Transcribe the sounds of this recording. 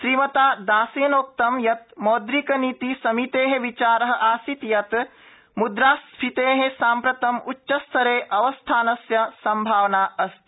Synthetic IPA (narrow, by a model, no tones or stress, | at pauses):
ʃɾiːmɐt̪aːd̪aːseːnoːk̚t̪ɐmjɐt̪̚mɔːd̪ɾikɐniːt̪isɐmit̪eːɦẽʋit͡ʃaːɾɐɦɐ̆ʔaːsit̪jɐt̪ | mud̪ɾaːspʰit̪eːɦesaːmpɾɐt̪ɐmutːʃɐst̪ʰɐɾeːʔɐʋɐst̪ʰaːnɐsjɐsɐmbʱaːʋɐnaːɐst̪